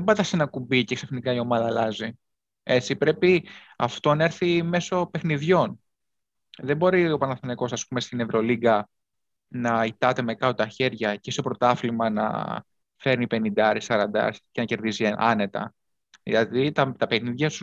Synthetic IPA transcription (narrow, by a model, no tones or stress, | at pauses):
ebɐt̪ɐksenɐkubiceksɐfnikɐio̞mɐðɐːlɐzi | e̞t͡sipɾe̞pi | ɐft̪o̞nɐeɾθime̞so̞pe̞xniðʝo̞n | ðe̞bo̞ɾio̞pɐnɐθoniko̞sɐspume̞st̪ine̞vɾo̞liɡɐ | nɐit̪ɐt̪e̞me̞kɐt̪ut̪ɐçe̞ɾʝɐcest̪o̞pɾo̞t̪ɐflimɐnɐ̰ | fe̞ɾnipe̞nind̪ɐɾesɐɾɐnd̪ɐ̰scenɐce̞ɾðiziɐ̰ne̞t̪ɐ̰ | ilɐðit̪ɐt̪ɐpexniðʝɐsu